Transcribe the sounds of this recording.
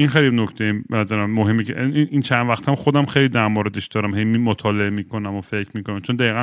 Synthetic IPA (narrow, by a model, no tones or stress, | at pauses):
inxejlinokʰt̪ʰejibenæzæɾæmæmoɦemːiceinint͡ʃʰænd̪væxt̪hæmxod̪æmxejlid̪æɾmoːɾed̪eʃd̪̥ɒːɾæmɦejmimot̪ʰɒːle̞emiːkʰo̞næmofecʰɾmiːkonæmt͡ʃʰond̪æiːɣæ